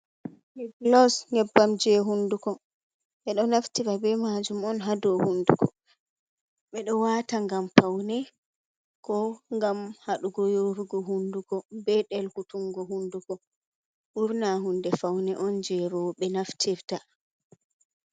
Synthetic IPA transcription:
miɡlɔsŋɛbːamd͡ʒɛɦundukɔ | ɓɛɗɔnaftiɾabɛmad͡ʒumɔnɦadɔhundukɔ | ɓɛɗɔwaːtaŋɡamfawnɛ | kɔŋɡamhaɗuɡɔjoɾuɡɔɦundukɔbɛɗɛlhutuŋɡɔɦundukɔ | ʔuɾnaɦundɛfawnɛʔɔnd͡ʒɛɾɔɓɛnaftʰiɾta

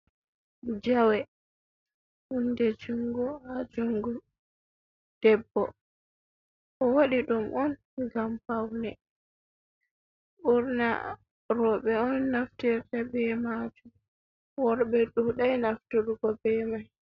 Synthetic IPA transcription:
d͡ʒawɛ | undɛd͡ʒuŋɡuhad͡ʒuŋɡu | d̥ɛbːɔ | ɔwaɗiɗumʔɔn | ɡamfawnɛ | ʔuɾna̰ | ɾɔɓɛɔnːaftiɾtabɛmad͡ʒum | wɔɾbɛɗuɗajnaftuɗuɡɔbɛmaj

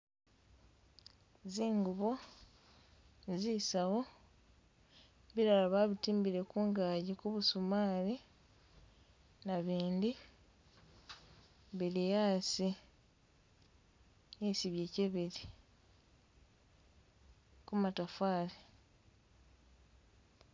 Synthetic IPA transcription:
ziːŋɡuβo̞ | zisaɣo̞ | βiɾalaβaβitiːmbiɾe̞kuːŋɡaːɟikuβusumaːli | naβiːndi | βilijaːsi | isiβje̞ːceβeɾi | kumatafaːli

